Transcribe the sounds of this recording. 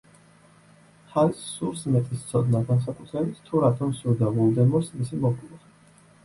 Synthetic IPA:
halsuɾsmɛt̪ʼist̪sʰɔd̪naɡans̬akʼut̪ʰɾɛbit̪sʰt̪ʰuɾat̪ʰɔmsuɾd̪avɔlˠd̪ɛmɔɾsmisimɔkʼlˠɔχi

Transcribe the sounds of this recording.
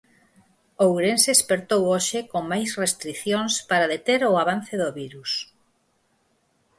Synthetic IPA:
owɾenseːspeɾt̪owoʃɪkoŋmajsrest̪ɾiθjoŋspaɾaðet̪eɾʊaβanθeðoβiɾus

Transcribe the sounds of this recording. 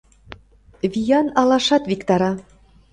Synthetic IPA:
βʲijɑnɑlɑʃɑt̪βikt̪ɑɾɑ

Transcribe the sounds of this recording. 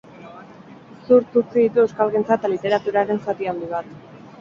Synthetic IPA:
suɾt͡s̪uɾt͡siðit̪ue̞wskalɣint͡sat̪alit̪e̞ɾat̪uɾaɾe̞nsat̪iand̪iβat̪

